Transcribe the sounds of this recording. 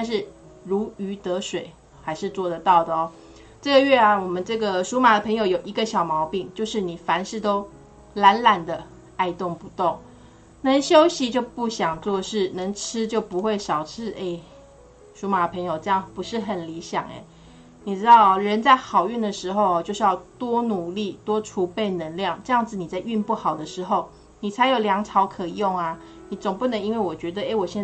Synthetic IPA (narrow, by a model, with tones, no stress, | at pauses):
t̪a˥˧nʂ̬ɻ̩˥˩ | ɻu˧˥y˧˥t̪ɤ˧˥ʂwe˨˩ɪ | xa˧˥ɪʂɻ̩˥˧t͡swɔ˥˩d̪ə˩t̪ɑ˥˩ʊd̪ə˩ɔ˨˦ | ʈ͡ʂɤ˥˩ɡə˩ɥɛ˥˩a˨wɔ˨˩mə˨nʈ͡ʂɤ˥˩ɡə˩ʂu˥ma˨˩d̪ə˩pʰɤ˧˥ŋjo˧ʊjo˨˩ʊi˧˥ɡə˧ɕjɑ˨˩ʊmɑ˧˥ʊpi˥˩ŋt͡ɕjo˥˧ʊʂɻ̩˥˩ni˨˩fa˧˥nʂɻ̩˥˩t̪o˥ʊ | la˧˥nla˨˩nd̪ə˩ | a˥˧ɪt̪ʊ˥˩ŋpu˧˥t̪ʊ˥˩ŋ | nə˧˦ŋɕjo˥ʊɕi˧˦t͡ɕjo˥˧ʊpu˥˩ɕjɑ˨˩ŋt͡swɔ˥˧ʂɻ̩˥˩nə˧˥ŋʈ͡ʂ̩ʰ˥t͡ɕjo˥˩ʊpu˧˦xwe˥˩ɪʂɑ˨˩ʊʈ͡ʂʰɻ̩˥ʔe˥˧ɪ | ʂu˧˥ma˨˩pʰə˧˥ŋjo˨˩ʊʈ͡ʂɤ˥˧jɑ˥˩ŋpu˧˦˥ʂɻ̩˥˩xə˨˩nli˧˦˥ɕjɑ̰˨˩ŋḛ˨˦ɪ | ni˨˩ʈ͡ʂɻ̩˥t̪ɑ˥˧˩ʊ˨ɻə˧˦nt͡sa˥˩ɪxɑ˨˩ʊy˥˩nd̪ə˩ʂɻ̩˧˥xo˥˧ʊɔ˨t͡ɕjo˥˧ʊʂɻ̩˥˧jɑ˥˧˩ʊt̪wɔ˥nu˨˩li˥˩t̪wɔ˥ʈ͡ʂʰu˧˥pe˥˩ɪnə˧˦ŋljɑ˥˨˩ŋʈ͡ʂɤ˥˧jɑ˥˩ŋd͡z̩˨ni˨˩t͡sa˥˧ɪy˥˧npu˥˩xɑ˨˩ʊd̪ə˦ʂɻ̩˧˥˦xo˥˩ʊ | ni˨˩t͡sʰa˧˥ɪjo˨˩ʊljɑ˧˥ŋʈ͡ʂʰɑ˧˥ʊkʰɤ˨˩jʊ˥˩ŋa˩ | ni˨˩t͡sʊ˨˩ŋpu˥˩nə˧˦ŋi˥nwe˥˩ɪwɔ˨˩t͡ɕɥɛ˧˥d̪ə˧e˥ɪwɔ˨˩ɕjɛ˥˧n˥